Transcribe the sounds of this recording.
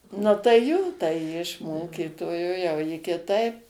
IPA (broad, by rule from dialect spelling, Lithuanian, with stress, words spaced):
ˈnʊ tɐɪ ˈjoː tɐɪ ˈjɪ ɪʃ ˈmoːkʲiːtoːjoː jɛʊ ˈjɪ kʲɪˈtɐɪp